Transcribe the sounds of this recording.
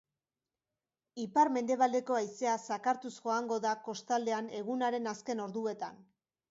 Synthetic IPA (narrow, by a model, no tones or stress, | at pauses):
ipaɾme̞nd̪e̞β̞ald̪e̞ko̞ajse̞asakaɾt̪usʝo̞aŋɡo̞ðako̞st̪ald̪e̞ane̞ɣunaɾe̞naske̞no̞ɾðue̞t̪a̰n